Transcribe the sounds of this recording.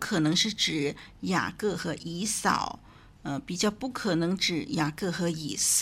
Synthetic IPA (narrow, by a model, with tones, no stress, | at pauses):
kʰɤ˨˩nɤ˧˥ŋʂɻ̩˥˩ʈ͡ʂɻ̩˨˩ja̰˨˩kɤ˥˩xɤ˧˥ʔi˧˥sɑ̰˨˩˦ʊ | ə˧pi˨˩t͡ɕjɑ˥˧ʊpu˥˩kʰɤ˨˩nɤ˧˥ŋʈ͡ʂɻ̩˨˩ja˨˩kɤ˥˩xɤ˧˥i˨˩s